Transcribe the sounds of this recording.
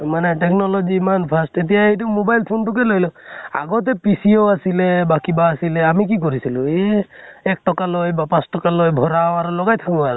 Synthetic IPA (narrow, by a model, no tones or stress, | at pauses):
manɛʈɛknɔlɔd͡ʒiːmanpʰastet̪̬ijaejt̬ukmobajlpʰontʊk̬ɛlojlɔa̰ɡɔt̪̬ɛpisioasilɛbakibaːsilɛamikik̬oɹisilʊ̃eɛk̚ʈɔkalojbapãsʈɔkalojbʱɔɹawaɾulɔɡajt̪ʰakɔaɾ